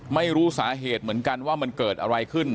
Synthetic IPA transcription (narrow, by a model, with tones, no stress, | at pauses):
ma˥˩jɾuː˦˥saː˩˦ɦeː˨˩t̪̚mɯ˩˦ənka˧nwaː˥˩ma˧nkɤː˨˩t̪̚ʔa˧ɾa˧jkʰɯ˥˩n